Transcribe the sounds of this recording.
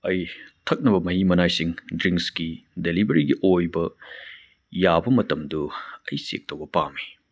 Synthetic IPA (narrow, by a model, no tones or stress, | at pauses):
ɐjtʰɐk̚nɐbɐmɐhimɐnajsiŋdɾiŋkskidelibɐɾiɡiʔojbɐ | jabɐmɐtɐmduɐjsḛk̚tʰɐwbɐpami